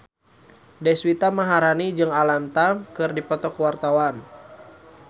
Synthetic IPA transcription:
dɛswit̪amaɦaɾanid͡ʒɨŋalamt̪amkɨrdipɔt̪ɔkwart̪awan

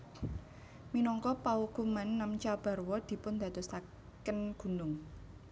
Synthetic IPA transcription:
minɔŋkɔpawukumanːamt͡ʃab̥a̤rwɔd̪̥i̤pʊnd̪̥a̤t̪ost̪a | kənɡ̥ṳnʊŋ

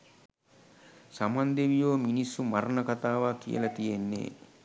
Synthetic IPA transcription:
samand̪eʋijoːminisːumaɾɐnɐkat̪aːʋaːkḭjə̰lɐt̪ijenːḛː

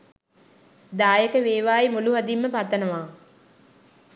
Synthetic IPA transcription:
d̪aːjəkəʋeːʋaːimuluɦad̪imːəpat̪ːənəʋaː

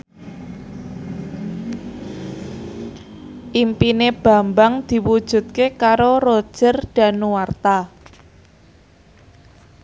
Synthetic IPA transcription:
ʔimpineb̥ä̤mbaŋd̪̥i̤wud̥ʒ̥ṳt̪̚kekaɾorod̥ʒ̥ərɖ̥a̤nuwart̪a

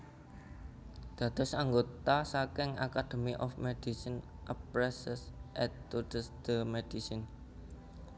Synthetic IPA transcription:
d̪̥ä̤t̪ɔ̤saŋɡot̪asakɪŋa̰kad̪̥ə̤miʔɔfmed̥isinʔəpɾɛsəsʔɛt̪t̪udəsd̪̥əmed̥isin

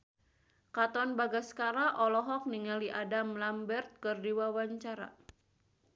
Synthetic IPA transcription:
kat̪ɔnbaɡaskaɾaʔɔlɔɦɔk̚niŋaliʔadamlambɛrt̪̚kɨrdiwawaɲt͡ʃaɾa̰

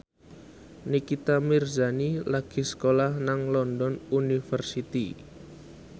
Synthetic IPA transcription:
nikit̪amirzanilaɡ̥i̤sə̥kolahnaŋlɔndɔnunifərsit̪i

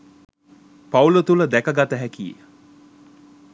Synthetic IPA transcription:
paulət̪uləd̪ækəɡat̪əɦækiːḛ

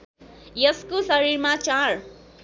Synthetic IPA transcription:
jʌskosʌɾiɾmat͡ʃar

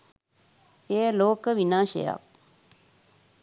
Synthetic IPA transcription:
eːloːkəʋinãːʃḛja̰k̚

